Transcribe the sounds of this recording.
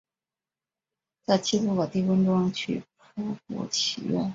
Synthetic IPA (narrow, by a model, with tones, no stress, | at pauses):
t͡sa˥˩ɪt͡ɕʰi˥pu˥˩kɑ˨˩t̪i˥˩fə˥nʈ͡ʂʊ˥ŋt͡ɕʰy˥˩pʰɤ˥kṵ˨˥˩t͡ɕʰḭ˨˧˩ɥɛ̰˥˩n